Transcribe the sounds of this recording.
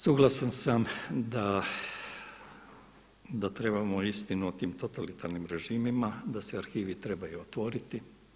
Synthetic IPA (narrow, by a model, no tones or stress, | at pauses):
suːɡlˠasansamd̪a | d̪at̪ɾe̞bamoist̪inuot̪iːmt̪o̞t̪alit̪aɾnimɾe̞ʒiːmimad̪aseaɾxiːʋit̪ɾe̞bajuot̪ʋo̞ɾit̪i